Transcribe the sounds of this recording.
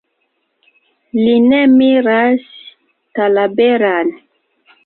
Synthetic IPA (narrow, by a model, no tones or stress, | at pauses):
linemiɾas | talabeɾan